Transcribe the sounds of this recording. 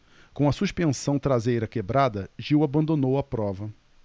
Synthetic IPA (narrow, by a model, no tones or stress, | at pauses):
kõɐsuʃpẽsɐ̃w̃t̪ɾazejɾɐkebɾad̪ɐʒiwabɐ̃nd̪õnowɐpɾɔvɐ